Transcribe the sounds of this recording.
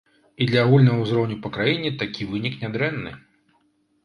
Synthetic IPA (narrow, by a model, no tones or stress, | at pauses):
id̪lʲɐaɣulʲnɐɣɐwuzɾɔwnʲupɐkɾajinʲɛt̪akʲivɨnʲiknʲad̪ɾɛnːɨ̰